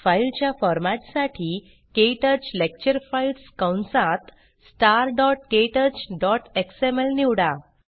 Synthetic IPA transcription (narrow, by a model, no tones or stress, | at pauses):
failt͡ɕjafɔɾmaʈ̪saʈʰiː | keʈəd͡ʑlek̚t͡ɕəɾfailskəwɳsãt̪ | sʈaɾɖɔʈkeʈəd͡ʑɖɔʈeksemelniwɽa